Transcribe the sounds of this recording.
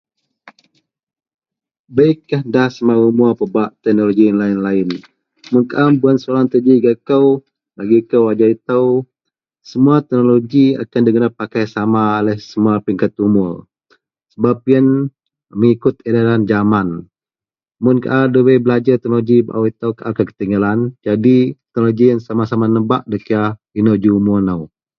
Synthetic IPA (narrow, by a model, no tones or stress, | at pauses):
bəikːahdahsəmaumuəpəbaʔt̪ɛk̚noloɡianlaɪnlaɪn | mʊnkaʔambuansolaŋt̪əd͡ʒiɡakəw | laɡikəwad͡ʒait̪əw | səmuat̪ɛk̚noloɡia̰kandiɡənapːakajsamaːlɛhsəmuapiŋkat̪̚umʊr | səbap̚jən | məŋikʊt̪edaland͡ʒaman | mʊnka̰ʔadəwəbəlad͡ʒat̪ɛk̚noloɡiba̰ʔawit̪əwkaʔakəkə̥t̪iŋɡaland͡ʒadit̪ɛkɛnoloɡijaŋsamasamanəba̰ʔ̚dəkia | inod͡ʒumuanaw